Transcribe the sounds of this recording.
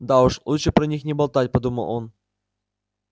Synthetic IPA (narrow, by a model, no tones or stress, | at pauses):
d̪auʂlˠut̪ʂɨpɾɐnʲixnʲɪbɐlˠt̪at̚ʲpɐd̪umə̰lˠo̰n